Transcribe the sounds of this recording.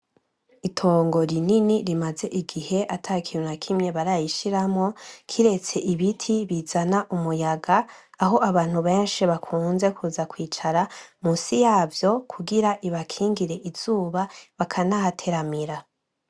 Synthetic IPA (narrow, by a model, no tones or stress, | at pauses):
itʰo̞ːŋɡo̞ɾininiɾimaze̞ʔiɡihe̞ʔatʰakʰiɾonakʰimɲe̞βaɾajiʃiɾamŋo̞kʰiɾe̞t͡se̞ʔiβitʰiβizanaʔumujaɡaːɦo̞ʔaβaːn̥huβe̞ːnʃiβakʰuːnze̞kuːzakwiːt͡ʃaɾamusijaːvjo̞kʰuɡiɾaʔiβakʰiːŋɡiɾe̞ʔiz̥uːβaβakʰanahatʰe̞ɾamiɾa